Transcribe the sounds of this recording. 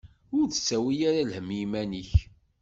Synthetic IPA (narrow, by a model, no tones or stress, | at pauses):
ʊɾθə̥sːæwijaɾalhəmjimæniç